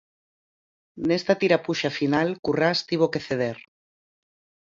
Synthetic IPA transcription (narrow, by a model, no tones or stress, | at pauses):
nest̪at̪iɾapuʃafinalkurast̪iβ̞okeθeð̞eɾ